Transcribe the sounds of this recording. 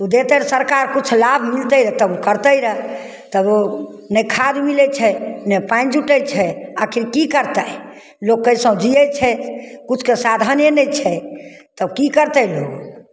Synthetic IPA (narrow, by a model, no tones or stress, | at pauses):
ud̪et̪əɾsəɾkaɾkut͡ʃʰlabʱmilt̪əjɾət̪əbukəɾt̪əjɾə | t̪əbo | nɛkʰad̪milɛt͡ʃʰɛnɛpãj̃d͡ʒuʈɛt͡ʃʰɛakʰiɾkikəɾt̪ə | loɡːəsə̃d͡ʒiɛt͡ʃʰɛkut͡ʃʰkesad̪ʱənjənɛt͡ʃʰɛ | t̪əbkikəɾt̪ɛjloɡ